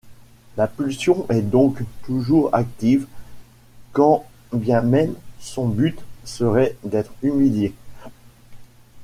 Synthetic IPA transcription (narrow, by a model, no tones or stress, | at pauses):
lapylsjɔ̃ʔɛd̪ɔ̃kt̪uʒuʁa̰k̚t̪iv | kɑ̃ | bjɛ̃mɛmsɔ̃byt̪səʁɛd̪ɛt̪χymilje